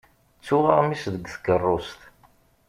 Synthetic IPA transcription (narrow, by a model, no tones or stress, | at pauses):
t͡sːʊʁəʁmisðəɡθəɡərˤːost̪